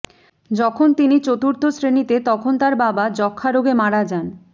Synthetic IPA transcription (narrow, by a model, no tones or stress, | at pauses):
d͡ʑɔkʰont̪init͡ɕot̪uɾt̪ʰosɾenit̪et̪ɔkʰont̪aɾbabad͡ʑɔkʰːaɾoɡemaɽad͡ʑan